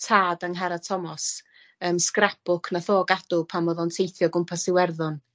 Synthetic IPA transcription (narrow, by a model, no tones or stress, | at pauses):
tʰaːdaŋɦaɾatʰɔmɔs | əːmskrapʊkʰnaθoːɡad̥ʊpʰamɔðɔntʰejθjɔɡʊmpʰasɪwɛrðʊn